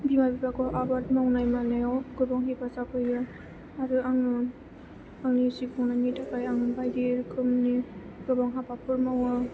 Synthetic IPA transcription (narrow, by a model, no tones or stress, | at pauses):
bimabibakɔʔabatmawnajmanajaɡɯbaŋɦipasakʰɯjja | aɾɯaŋɯ | aŋnisipʰɔŋnajnitakajaŋɯbajdeɾkʰɯmni | ɡ̥ɯbaŋɦapapʰɯɾmawɯ